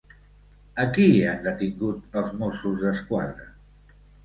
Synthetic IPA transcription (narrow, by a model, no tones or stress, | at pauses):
əkiand̪ət̪iŋɡut̪əlˠzmosuzðəskwaðɾə